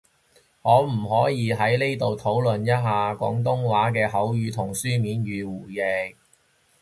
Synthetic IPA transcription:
hɔː˨˧m̩˨˩ɦɔː˨˥jiː˨˧ɦɐ˨˥jle˥jt̪o˨wt̪ʰo˨˥wlɵ˨njɐ˥t̚ɦaː˨kʷɔ̰ː˨˥ŋt̪ʊ˥ŋwaː˨˥k̬ɛː˧ɦɐ˨˥wɥyː˨˧t̪ʰʊ˨˩ŋsyː˥miː˨˥nɥyː˨˧wuː˨˩jɛː˨˧

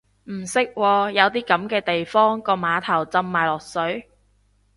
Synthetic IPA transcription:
m̩˨˩sɪ˥k̚wɔː˧jɐ˨˧wt̪̬iː˥kɐ˨˥mkɛː˧t̪e˨jfɔː˥ŋkɔː˧maː˨˧t̪ʰɐ˨˩wt͡sɐ˧mːaː˨jlɔː˨˩k̚sɵ˨˥ɥ

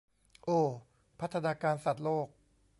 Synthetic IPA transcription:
ʔoː˧˩ | pʰa˦˥t̪ʰːa˧naː˧kaː˧nsa˨˩t̪̚loː˥˩k̚

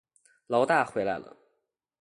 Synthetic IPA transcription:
lɑ˧˥ʊt̪a˥˩xwe˧˥ɪla̰˧˥ɪlə̰˩

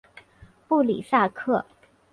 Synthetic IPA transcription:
pu˥˩lḭ˨˩sa˥˧kʰɤ˥˩

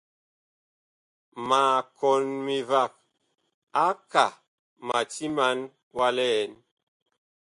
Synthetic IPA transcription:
ma˨kɔ˨nmi˨va˦˨k̚ | a˦ka˨ | ma˨ti˦ma˨˦n | wa˦lɛ˦ɛ˨˦n

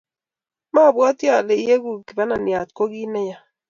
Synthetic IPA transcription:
ma˦˨bwa˦t̪ja˨le˨˦e˦ɡu˨ki˨ba˦na˨nja˨t̪ko˦ɡi˦nɛ˦ja˨

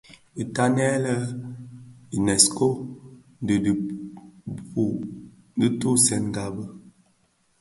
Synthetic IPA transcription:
i˨ta˦nɛ˦lə˦ | i˨nɛ˨sko˦ | də˨d | pu˨ | di˦tu˦sɛ˨nŋ˨ɡa˨bə˦

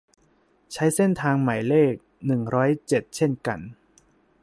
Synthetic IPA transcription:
t͡ɕʰa˦˥jse˥˩nt̪ʰaː˧ŋma˨˩jleː˥˩k̚nɯ˨˩ŋɾɔː˦˥jt͡ɕe˨˩t̪̚t͡ɕʰe˥˩nka̰˧n

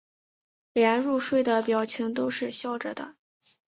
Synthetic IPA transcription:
ljɛ˧˥nɻu˥˧ʂwe˥˩ɪd̪ə˩pjɑ˨˩ʊt͡ɕʰi˧˥ŋt̪̬o˥ʊʂɻ̩˥˧ɕjɑ˥˩ʊʈ͡ʂɤ̰˨˩d̪ə̰˩

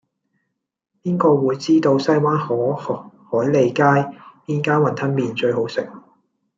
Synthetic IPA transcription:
piː˥nkɔː˧wuː˨˧jt͡siː˥t̪o˧wsɐ˥jwaː˥nhɔː˨˥hɔː˨˥jle˨˧jkaː˥jpiː˥nkaː˥nwɐ˨˩nt̪ʰɐ˥nmiː˨nt͡ʃɵ˧ɥɦo˨˥wsɪ̰˨k̚

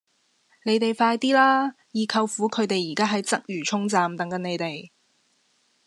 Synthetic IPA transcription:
ne˨˧˥jt̪e˨jfaː˧jt̪iː˥laː˥ | jiː˨˧kʰɐ˧wfuː˨˥kʰɵ˨˧ɥt̪e˨jːiː˨˩kaː˥ɦɐ˨˥jt͡sɐ˥k̚jyː˨˩t͡ʃʰʊ˥ŋt͡saː˨mt̪ɐ˨˥ŋkɐ˨˥ne˨˧jt̪e˨j

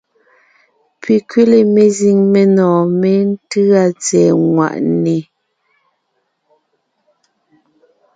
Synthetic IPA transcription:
pʰi˨kɥe˦le˨me˨zi˨ŋme˨nɔː˨me˦n̩˦tɯ˦a˦t͡sɛː˨ŋwa̰˨ʔne˨

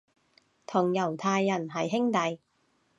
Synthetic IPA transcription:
t̪ʰʊ˨˩ŋjɐ˨˩wt̪ʰaː˧jːɐ˨˩nɦɐ˨jɦɪ˥ŋt̪ɐ˨j

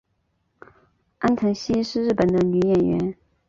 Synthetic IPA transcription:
ʔa˥nt̪ʰɤ˧˥ŋɕi˥ʂɻ̩˥˧ɻɻ̩˥˩pə˨˩nd̪ə˦ny˨˧˥jɛ˨˩nɥɛ̰˧˥n

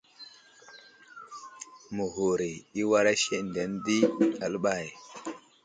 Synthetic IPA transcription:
mu˨ɦu˨ɾi˨i˦wa˦ɾa˦ʃe˦n˨de˨˦ndi˦a˨lə˦ɓa˦˨j

